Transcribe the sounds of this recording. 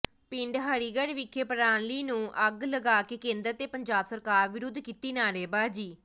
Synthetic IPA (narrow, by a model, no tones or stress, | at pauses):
pɪɳɖɦaːɽiːɡəɽʋɪkʰːeːpəɾaːnliːnũːʔəɡləɡaːkeːkẽːnd̪əɾt̪eːpəɲd͡ʒaːbsəɾkaːɾʋɪɾʊd̪ʱkiːt̪iːnaːɾeːbaːd͡ʒiː